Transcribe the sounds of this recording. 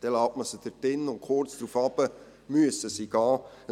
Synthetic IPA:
d̥ɛlɑwtməsəd̥ətɪnʊntkχʊrt͡sd̪̥ɾuːfɑbə | myəsəsiɡɑː

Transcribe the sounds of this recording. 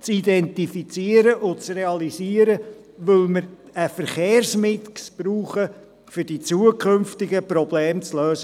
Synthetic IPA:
t͡sid̪ɛnt̪ifit͡siəɾəʔʊt͡sreɑlisiəɾə | ʋɵlməɾ | əfəɾχeːrsmɪtksb̥ɾuːχə | fʏɾdit͡suəkʰχɵmftɪɡəpɾɔbleːmt͡sløːsə

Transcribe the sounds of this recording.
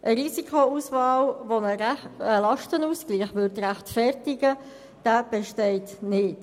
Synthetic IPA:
ʔəɾisikʰouːsvɑːlʋonəəlɑʃtənuːsɡ̥liːχʋʏɾtræχtfɛrtɪɡə | d̥æːb̥ɛʃtɛɪtnɪt

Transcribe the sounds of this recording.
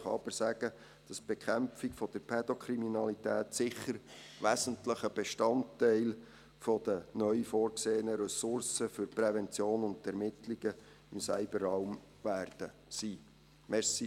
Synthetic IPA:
χɑɑb̥əɾsæɡ̥ə | d̥ɑsb̥ekʰæmfikfɔd̥əɾpʰɛd̥ɔkʰɾiminɑlit̪æːt̪sɪχːəɾ | ʋæzəntləχəb̥eʃtɑntːɛɪl | fɔd̥̪ənœʏfoːɾkseːənəɾɛsʊɾsəfʏɾprɛvɛnt͡sjoːnʊnd̪ɛɾmɪtliɡə | ɪmsæɪbəɾɑwm | ʋæːrd̥ə | siː | mɛɾsi

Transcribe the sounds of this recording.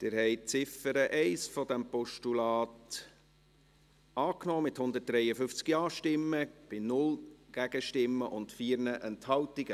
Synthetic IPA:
d̥ɪɾɦɛɪt͡sɪfəɾəʔɛɪsfɔd̪ɛmpɔʃtulɑːt | ɑːknɔːmɪthʊnd̪ət̚d̥ɾɛjəfʏft͡skjɑːʃtɪmːəb̥ɪnʊlɡ̥æɡ̥əʃtɪmːəʔʊntfiːɾnəʔɛnthɑltiɡə

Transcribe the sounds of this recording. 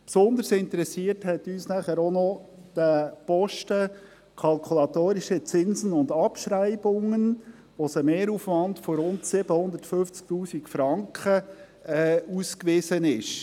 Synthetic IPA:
psond̪əɾsɪntəɾɛsiəthɛtyːsnæχəɾɔnɔd̥əpɔʃtə | kʰɑlkʰulɑt̪oːɾiʃət͡sɪnsənʊndɑpʃɾæɪbʊŋən | ʋɔsəmeːɾufʋɑndfɔɾʊntsɪb̥əhʊnd̪ətføft͡sk̚tuːsikfɾɑŋkχə | ɛːuskʋɪsənɪʃ

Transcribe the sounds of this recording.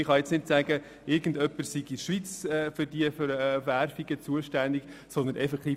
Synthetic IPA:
ɪχɑjɛt͡snɪtsæɡ̥ə | ɪɾɡ̥ən̩dœpːəsiɡiʃʋit͡sɛːfʏdiəfɾværfiɡət͡suəʃtænd̪iksɔnd̪ənʔɛfɛkt̪iː

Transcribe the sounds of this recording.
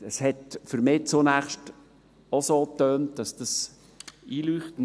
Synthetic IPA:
əshɛtfɵɾmɪːt͡sonæχʃt | osoːtœːnt̚d̥ɑsd̥ɑs | iːlyːχtn

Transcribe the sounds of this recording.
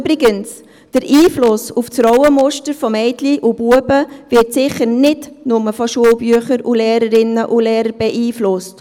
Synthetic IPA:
bɾɪɡəns | d̥əɾʔiːflʊsuft͡sɾɔʊwəmʊʃtəɾfɔmɛɪtliʔub̥uəbəvɪɾtsɪχəɾnɪdnʊməfɔʃuəlˠbyəχəɾuleːɾəɾɪnəʔuleːɾəɾb̥ɛʔiːflʊst

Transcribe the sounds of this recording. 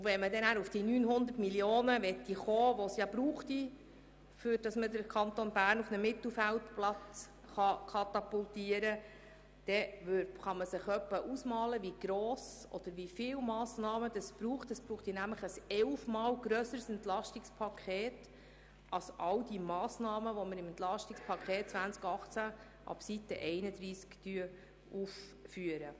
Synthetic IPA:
ʊʋɛnmədɛnæɾufd̥inyːnɦʊnd̪ərtmiljoːnəʋɛt̪ːiχoːʋosjɑbɾuːχt̪i | fʏɾd̥ɑsmədəɾkʰɑnt̪onbæːɾnufnəmɪt̪l̩ˠfæltplɑt͡s | χɑkʰɑt̪ɑpultiəɾə | d̪̥ɛʋøɾχɑməsɪχœpːəʔusmɑːləʋiɡ̥ɾoːs | ɔ̰d̥̪əɾʋifɪːwmɑːsnɑːməd̥̪ɑsb̥ɾuːχt̪əsb̥ɾuːχtjɪnæmləχəsɛlfmɑːlɡɾœsəɾsɛnt̪lɑʃtɪkspʰɑkχeːt | ʔɑlsʔɑld̪imɑːsnɑːməʋɔməɾɪmɛnt̪lɑʃtikspʰɑkʰeːt̚t͡svænt͡skɑχt͡sæ | ʔɑ̰bsit̪ə̰ʔɛɪnəd̪ɾiːsktyə | uffyəɾə

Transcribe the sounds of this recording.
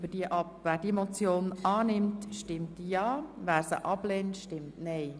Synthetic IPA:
bəd̥iəʔɑpvæːɾdimot͡sjoːnɑːnɪmtʃtɪmtːijɑːvæːɾsə̰ʔɑbleːntʃtɪmtnɛɪ

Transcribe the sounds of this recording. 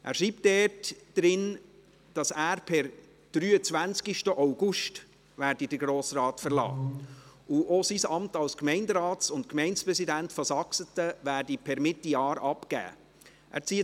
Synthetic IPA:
ʔæ̰ːɾʃɾiːp̚t̚d̥ɛːtd̥ɾɪn | d̥ɑsæːɾpʰɛɾ | d̥ɾyːət͡svænt͡skiʃtəʔaʊɡ̥ʊʃt | ʋæːɾdidəɾɡɾoːsrɑːtfəɾlɑ̰ː | ʊʔosisɑmtɑlskmɛɪndəɾɑːtt͡sʊntkmɛɪnt͡spɾɛsidæntfɔsɑksətəʋæːɾdipʰɛɾmɪtːijɑːɾɑpkæ̰ː | ʔæ̰ːɾt͡siːə

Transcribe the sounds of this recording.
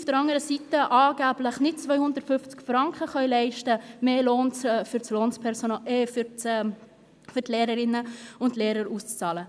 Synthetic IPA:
ufd̥əɾɑŋəɾəsitəʔɑːɡ̥æbləχnɪt̚t͡sʋœʏhʊnd̪əɾtfʏft͡skfɾɑŋkχəχœɥlɛɪʃtəmeːloːnt͡sːfyɾt͡sloːnspʰɛɾsonɑeːf | fʏɾtlɛːɾəɾɪnːəʊntleːɾəɾust͡st͡sɑːlə

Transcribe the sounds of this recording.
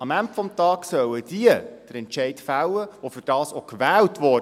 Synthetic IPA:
ɑmæmpfɔmtɑːksœwəd̥iəd̥əɾɛntt͡ʃɛɪtfawəʋofʏɾd̥ɑːsokʋæːltʋɔ

